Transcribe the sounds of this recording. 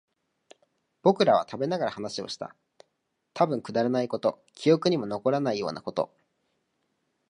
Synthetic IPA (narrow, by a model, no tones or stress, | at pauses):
b̥o̞kɯ̟ɾaβa̰t̪ʰabe̞naɡaɾahanaɕio̞̰ɕi̥t̪a̰ | t̪ʰabɯ̟̃ŋkɯ̟d̪aɾanaiko̞t̪o̞ | kʲijo̞kɯ̟ɲ̟imo̞no̞ko̞ɾanaijo̞̰ːna̰ko̞t̪o̞̰